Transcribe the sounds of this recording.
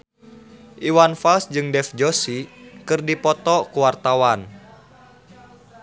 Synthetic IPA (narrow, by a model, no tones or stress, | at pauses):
ʔiwanfalsd͡ʒɨŋdɛfd͡ʒɔsikɨrdipɔt̪ɔkuwart̪awan